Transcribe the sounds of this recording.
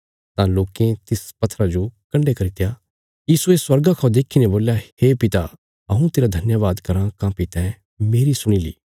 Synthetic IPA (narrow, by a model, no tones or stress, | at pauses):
t̪ãloːkẽt̪ɪspɐt̪ʰːɾad͡ʒokɐ̃ɳɖekɐɾɪt̪ja | jiːsueswɐɾɡakʰaõd̪eːkʰinẽboːljaeːpɪt̪a | ɐɦũt̪eːɾad̪ʱɐnjaʋaːd̪kɐɾãkãːpɪt̪ɛ̃ | meːɾisʊɽ̃iːlḭː